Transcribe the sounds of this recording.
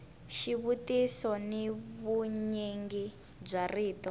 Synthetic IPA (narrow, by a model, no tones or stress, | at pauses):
ʃiβutisɔniβuɲeŋɡi | b͡ʐariːtɔ